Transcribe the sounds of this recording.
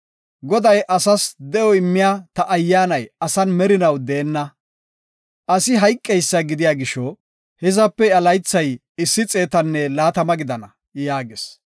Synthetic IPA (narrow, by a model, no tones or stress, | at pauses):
ɡɔd̪ɐjʔɐsɐsd̪ɛjɔɪmːɪjaːt̪ɐʔːjːaːnɐjɐsɐnmɛɾɪnɐwd̪eːnːɐ | ʔɐsɪɦɐjkʼːɛjsːɐɡɪd̪ɪjaːɡɪʃɔ | hɛzɐpːɛɐlɐjt͡sːɐj | ɪsːɪt͡sʼe̞ːt̪ɐnːɛlaːt̪ɐmɐɡɪd̪ɐnɐ | jaːɡes